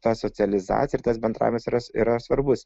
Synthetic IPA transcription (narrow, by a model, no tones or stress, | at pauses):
t̪ɑsoːsʲɪɐlʲɪzɑ̰ːt̪ʲjɛɪɾt̪ɐsbʲɛnd̪ɾɑ̰ːjʲɪmɛsɪɾɐɪɾɐsʋɐɾbʊs